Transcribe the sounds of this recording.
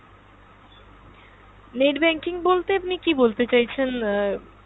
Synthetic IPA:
neʈbɛŋkiŋbolt̪eapnikibolt̪et͡ɕajt͡ɕʰen

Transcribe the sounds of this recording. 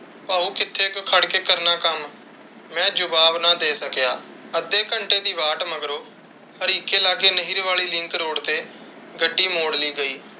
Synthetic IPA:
paːuːkɪt̪ʰːeːkkʰəɽkeːkəɾnaːkəmː | ɛ̃ːd͡ʒʊbaːʋnaːd̪eːsəkjaː | əd̪eːkəɳʈeːd̪iːʋaːʈməɡɾoː | həɾiːkeːlaːɡeːnəɦiɾʋaːɭiːlɪ̃ŋkɾoːɽt̪eː | ɡəɖːiːmoːɽliːɡəiː

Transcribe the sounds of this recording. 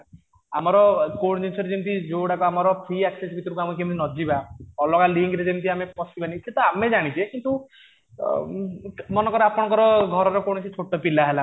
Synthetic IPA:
amɔɾɔkoɽd͡ʒisʰɔɾed͡ʒemt̪id͡ʒowɽakɔamɔɾɔpʰɾiɛksesbʱit̪ɔɾukamukʰemt̪inɔd͡ʒibaɔlɔkaliŋɡɾed͡ʒemt̪ʰiamepɔsibaniset̪ɔamed͡ʒaɽ̃it͡ʃʰiekint̪u | mɔnɔkɔɾeapɔɽ̃ɔkɔɾɔɡʱɔɾɔɾɔkoɽɔt͡ʃʰit͡ʃʰoʈɔpilaɦela

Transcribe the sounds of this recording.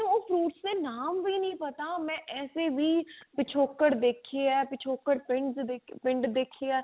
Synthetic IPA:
oːpʰɾuːʈsd̪eːnaːmʋiːnəĩːpət̪aːmɛ̃ːʔɛːseːʋiːpɪt͡ʃʰoːkəɽd̪eːkʰːeːɛːpɪt͡ʃʰoːkːəɽpɪ̃ɳɖzd̪epɪ̃ɳɖd̪eːkʰːeɛː

